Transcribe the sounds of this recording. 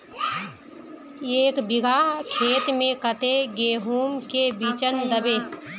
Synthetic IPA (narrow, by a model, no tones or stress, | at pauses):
eːkbɪɡʱakʰeːt̪mẽkət̪eɡeːɦuːmkebiːt͡ʃənd̪əbeː